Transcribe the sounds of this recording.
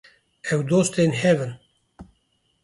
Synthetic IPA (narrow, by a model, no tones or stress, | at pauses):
ɛwd̪oːst̪eːnɦɛvɨn